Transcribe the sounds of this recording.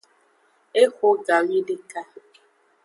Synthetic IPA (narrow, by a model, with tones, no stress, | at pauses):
e˦kʷʊ˦ɡa˨ɣi˦dɪ˦ka˦